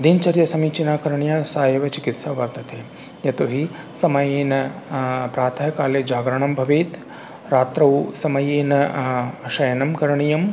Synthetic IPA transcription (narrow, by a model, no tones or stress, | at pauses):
d̪int͡ʃɐɾjɐsɐmiːt͡ʃinaːkɐɾɐɳijaːsaːjɐʋɐt͡ʃikit̪sɐʋɐɾt̪ɐt̪ʰeː | jɐt̪oɦi | sɐmɐjeːnɐpɾaːt̪ʰɐɦɐkaːleːd͡ʒaːɡɾɐɳɐmbʱɐʋiːt̪ | ɾaːt̪ɾɐʋsɐmɐjeːnɐ | ʃɐjɐnɐmkɐɾɐɳijɐm